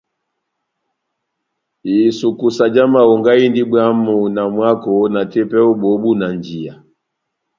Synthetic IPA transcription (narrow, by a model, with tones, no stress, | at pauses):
i˨su˨ku˨sa˨d͡ʒa˦ma˨ɔ˨ŋɡa˦i˦ndi˦bwa˦mu˨na˨mwa˦kɔ˨na˨tɛ˦pɛ˦u˦bɔ˨˦bu˦na˨nd͡ʒi˨a˨